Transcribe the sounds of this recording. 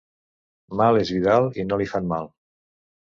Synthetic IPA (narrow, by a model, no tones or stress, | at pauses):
malezβiðalˠinolifanmalˠ